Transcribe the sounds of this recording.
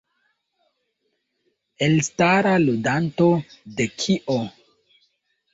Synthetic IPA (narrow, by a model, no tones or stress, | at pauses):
elstaɾaludanto̞dekʰiʔo